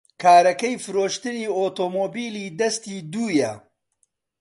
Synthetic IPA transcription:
kʰaːɾɐkɐjfɨɾoːʃt̪ɨniːoːt̪oːmoːbiːliːd̪ɐst̪iːd̪uːjɐ

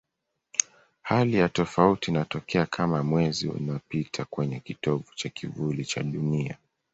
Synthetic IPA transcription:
halijatɔfautiːnatɔkɛakʰamamwɛzḭṵnapitʰakwɛɲɛkitɔvut͡ʃakʰivulit͡ʃa̰ɗunia̰

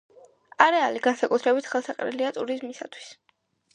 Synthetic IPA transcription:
aɾɛaliɡansakʼut̪ʰɾɛbit̪ʰχɛlˠsaqʼɾḭliat̪ʼuɾizmisat̪ʰwi̥s

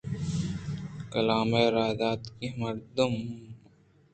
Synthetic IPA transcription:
kɐlaːmeɾaːd̪aːt̪kemɐɾd̪əm

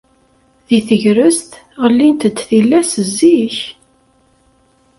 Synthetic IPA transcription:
ðiθəʝɾəst̪ | ʁəlːint̪əd̪θilːæsəzːiç

